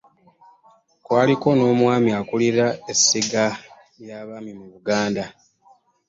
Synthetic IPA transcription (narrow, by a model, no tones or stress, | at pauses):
kwaːliko̞no̞ːmwaːmiakuliɾaesːiɡa | jaːβaːmimuβuɡaːnda